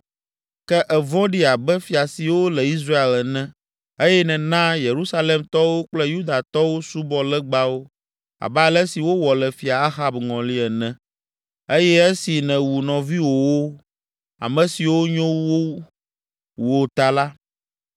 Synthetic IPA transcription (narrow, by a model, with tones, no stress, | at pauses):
kɛ˦ʔɛ˨vɔ̃˦ɖi˦a˨bɛ˦fi˨a˨si˨wo˦lɛ˨i˦s̬ɾa˦e˨lnɛ̃˨ | e˦jɛ˦nɛ̃˨nã˦je˨ɾu˦sa˦le˨mt̪ɔ˦wo˦k͡plɛ˦ju˦d̪a˨t̪ɔ˦wo˦su˦bɔ˨lɛ˦ɡ͡ba˦wo˦ | a̰˨ba˦˨lɛ˦si˨wo˦wɔ˨lɛ˨fi˨a˨a˦xa˦bŋɔ̃˨li˦ɛ˨nɛ̃˨ | e˦jɛ˦ɛ˦si˨nɛ̃˨wu˨nɔ̃˨vi˦wo˨wo˦ | a̰˨mɛ̃˨si˨wo˦ɲõ˦wo˦ | wo˨t̪a˨la˦